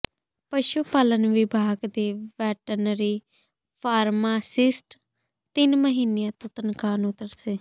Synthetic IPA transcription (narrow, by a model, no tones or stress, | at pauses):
pəʃupaːlənʋɪbʱaːɡd̪eːʋɛːʈənɾiː | pʰaːɾmaːsɪsʈ | t̪ɪnməɦiːnejãːt̪õːt̪ənkaːnʊt̪əɾseː